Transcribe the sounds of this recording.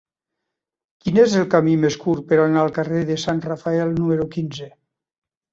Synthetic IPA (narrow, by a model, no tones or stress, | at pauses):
kinezelˠkamimeskuɾpeɾanalˠkareðesanrafaɛlˠnumeɾukinze